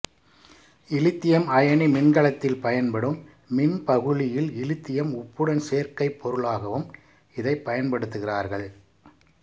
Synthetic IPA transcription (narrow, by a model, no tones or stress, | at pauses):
ɪlɪt̪ːɪjɐmɐjɐɳimɪnɡɐɭɐt̪ːɪlpɐjɐnpɐɽɯmː | ɪnpɐɣɯɻɪjɪlɪlɪt̪ːɪjɐmʊpːɯɽɐnseːɾkɐɪpʰːɔɾɯɭaːɣɐʋɯm | ɪðɐɪpːɐjɐnpɐɽɯt̪ːɯɣɪraːɾɣɐɭ